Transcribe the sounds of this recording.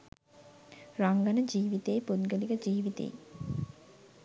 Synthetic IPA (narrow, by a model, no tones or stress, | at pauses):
ɾaŋɡɐnəd͡ʒiːʋit̪eːpud̪ɡəliɡəd͡ʒiːʋit̪ḛj